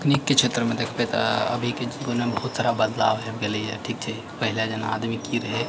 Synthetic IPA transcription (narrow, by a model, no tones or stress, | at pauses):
knikːet͡ʃʰet̪ɾəmẽd̪ekʰbet̪ə̰bʱikeɡonebəɦut̪saːɾabəd̪la̰ːʋɦɛɡeleɛʈʰiːk̚t͡ʃʰɛ | pəɦɪled͡ʒəna̰a̰d̪mikiɾəɦe